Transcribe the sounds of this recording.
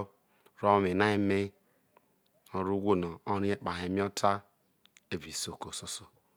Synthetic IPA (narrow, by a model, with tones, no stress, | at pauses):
ɾo˦me˨na˦e˦me˦ | o˨ɾu˦ɡʷo˦nɔ˨o˦ɾi˦e˦k͡pa˨e˨mi˦ɔ˦tʰa˦ | e˦˨vi˨so˨ko˨so˦so˨